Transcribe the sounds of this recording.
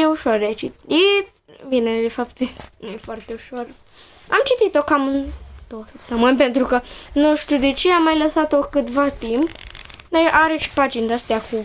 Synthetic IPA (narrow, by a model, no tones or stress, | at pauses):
jeuʃord̪eat͡ʃit̪it̪ | vine̞d̪e̞fap̚t̪nujefoart̪e̞uʃo̞r | a̰mt͡ʃit̪it̪o̞kamɨnd̪̥owəsəp̚t̪əmɨnpe̞nt̪ɾukənuʃt̪ud̪e̞t͡ʃeamːajləsat̪o̞kɨt̪vat̪impnojʔaɾeʃi̥pad͡ʒind̪əst̪eaku